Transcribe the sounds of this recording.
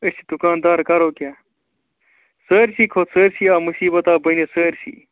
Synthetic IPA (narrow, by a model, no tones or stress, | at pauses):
əsʰi̥d̪ukaːnd̪aːɾkɐɾoːkjaː | səːɾɕiːkʰoːt̪səːɾsiːaːmusiːbɐt̪aːbɐnesəːɾɕḭː